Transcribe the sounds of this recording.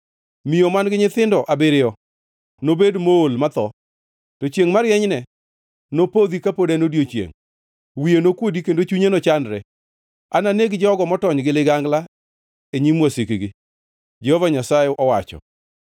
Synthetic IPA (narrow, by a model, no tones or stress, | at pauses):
mijɔmanɡɪɲɪt̪ɪndɔʔabɪɾɪjɔ | nobedmoolmat̪ɔ | tɔt͡ʃjeŋmaɾjɛɲnɛ | nopod̪ikapodɛnodjot͡ʃjḛŋ | wijenokwodikendot͡ʃuɲenɔt͡ʃandɾɛ | ananeɡd͡ʒɔɡɔmɔtɔɲɡɪlɪɡaŋɡla | eɲimwɔsikiɡɪ | d͡ʒɛhɔvaɲasaɪʔɔwat͡ʃɔ̰